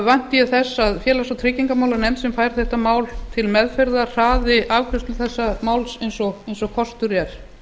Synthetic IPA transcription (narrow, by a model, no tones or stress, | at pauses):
vajn̥t̪ɪjɛθɛsːaðfjɛːlasɔwt̪ʰɾɪːciŋkamaːwlanɛmt̪sɛmfaːjɾ̥θɛht̪amaːwlt̪ʰɪlmɛðfɛɾðar̥aːðɪʔaːvkʰɾʏst̪lʏθɛsːamaːwlsejnsɔɣejnsɔkʰɔst̪ʏɾjɛɾ̥